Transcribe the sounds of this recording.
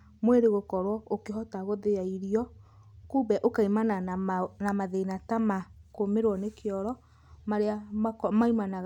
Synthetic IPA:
mweɾeɣokɔɾwɔokeɦɔtaɣoðejaiɾiɔ | kuːbɛʔokaimananamaðeinatamakomeɾwɔnekeɔɾɔ | maɾeamakmaimanaɣ

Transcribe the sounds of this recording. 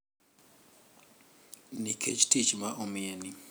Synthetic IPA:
nikʰḛt͡ʃtit͡ʃmaʔomɪenɪ

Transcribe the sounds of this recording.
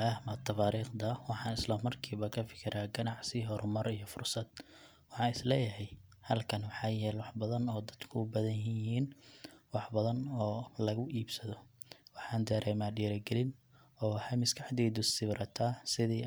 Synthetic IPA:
ɐhmɐt̪ʰːɐfaːɾiːχd̪ɐwɑħɑːnɪslɐmɐrkʰiːβɐkʰɐfɪ̥kʰɪɾʔaːɡɐnɑʕsɪɦɔɾʊmɐrijɞfʊrsɐd̪̥̚ | wɑħɑːnɪslɛːjɐɦɛjhɐlkʰɐnwɑħɑːjɛːlwɑħbɐðɐnɔːd̪ɐd̪̥kʰʊːbɐðɐnjɦijɪɦiːnwɑħbɐðɐnɔːlɐɣʊʔiːbsɐðɔwɑħɑːnd̪ɐɾɛːmaːɖiːɾɐɡɛlɪn | ɔːwɑħɑmɪskʰɑħd̪iːd̪ʊsɪβɾɐt̪ʰaːsɪðiː

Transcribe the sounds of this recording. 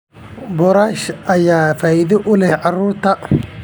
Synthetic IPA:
bɔɾaːʃɐjaːfaːʔɪðɪʔʊlɛhʕɑruːrt̪ʰɐ

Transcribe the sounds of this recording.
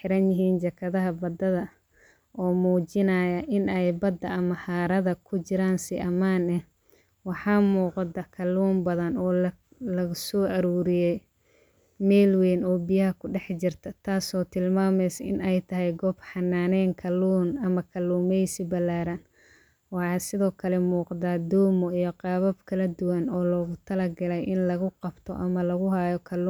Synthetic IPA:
ħɪɾɐnjɪɦiːnt͡ʃɐkʰɐðɐɦɐbɐd̪ɐðɐ | ʔɔːmuːt͡ʃɪnajɐʔɪnɛjbɐd̪ːɐʔɐmɐhaːɾɐðɐkʰʊt͡ʃɪɾaːnsɪʔɐmaːnɛh | wɑħɑːmuːqd̪ɐkʰɐluːmbɐðɐnɔː | lɐɣsɔːʔɐɾuːɾɪjɛj | mɛːlwɛːnɔːbɪjɐɦɐkʰʊɖɛħt͡ʃɪrt̪ʰɐt̪ʰaːsɔːt̪ʰɪlmaːmɛjsɐɪnɛjt̪ʰɐɦɛjɡɔːbħɑnːaːnɛːŋkʰɐlːuːnɐmɐkʰɐlːuːmɛjsɪbɐlaːɾɐn | wɑħɑːsɪðɔːkʰɐlɛmuːqðaːd̪ɔːmɔijɔqɑːβɐbkʰɐlɐd̪ʊwɐnɔːlɔːɣʊt̪ʰɐlɐɡɐlɛjʔɪnlɐɣʊqɑb̥t̪ʰɔ̰ʔɐmɐlɐɣʊɦaːjɔkʰɐluː

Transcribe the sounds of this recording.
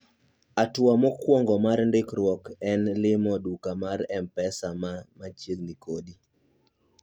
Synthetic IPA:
atwamɔkwɔŋɡɔmarndɪkɾwɔkɛnlɪmɔdukamaɾɛmpɛsamamat͡ʃjednikodi

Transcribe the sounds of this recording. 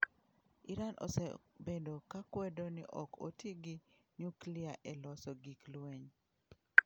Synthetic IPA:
ɪɾanʔo̰sɛbendokakwɛdonɪ̰ʔɔkʰo̰teɡɪ | nukliaʔɛlɔsɔɡiklweɲ

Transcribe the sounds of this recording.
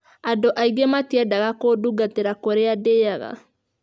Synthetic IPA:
adoʔaiɡematiɛdaɣakoduɡateɾakoɾeadejaɣa̰

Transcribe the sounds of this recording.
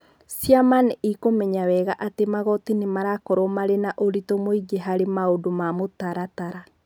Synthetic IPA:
sjamanikomɛɲawɛɣaʔatemaɣɔtinemaɾakɔɾɔmaɾenaʔoɾitɔmoiɡeɦaɾemaodomamotaɾataɾa

